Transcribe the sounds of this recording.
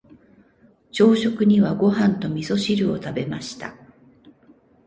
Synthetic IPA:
t͡ɕo̞ːɕo̞kɯ̟ɲ̟iβaɡo̞ɦãnt̪o̞mʲiso̞ɕiɾɯ̟o̞t̪abe̞maɕi̥t̪a̰

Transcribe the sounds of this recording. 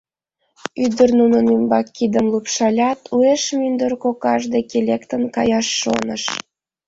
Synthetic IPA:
yd̪ərnunənymbɑkːid̪əmlupʃɑlʲɑt̪ʰueʃmynd̪ərkokɑʒd̪ekelʲekt̪ənkɑjɑʃːo̰nə̰ʃ

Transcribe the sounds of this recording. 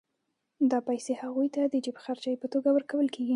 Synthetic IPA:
d̪ɑpajsehaɣujt̪ad̪əd͡ʒɪbxaɾd͡ʒɑjpət̪oɡawəɾkawəlkeɡi

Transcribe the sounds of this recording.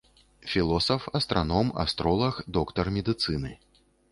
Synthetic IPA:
fʲilˠɔsɐfɐst̪ɾanɔmɐ̰st̪ɾɔlˠɐxd̪ɔkt̪ɐrmʲɛd̪ɨt̪sɨnɨ

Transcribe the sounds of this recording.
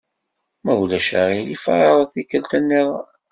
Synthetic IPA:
mæwlæʃæɾilifaɾɾˤθikːəlt̪ænːiʁ

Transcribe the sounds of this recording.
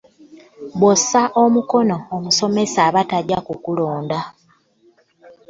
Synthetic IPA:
bwosaʔomuko̞no̞ːmuso̞me̞saβataɟɟakukuloːnda

